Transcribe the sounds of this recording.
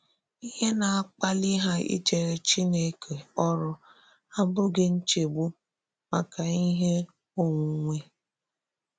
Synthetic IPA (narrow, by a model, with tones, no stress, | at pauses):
i˦he˦na˨a˦k͡pa˦li˦ɦa˦ḭ˦d͡ʒe˨ɾe˨t͡ʃi˦ne˨kʰe˨ɔ˦ɾʊ˦ | a˦bʊ˦ɡe˦n̩˦t͡ʃe˨ɡ͡bu˦ | ma˨ka˨i˦ɦe˦ | o˦ŋʷu˨ŋʷe˦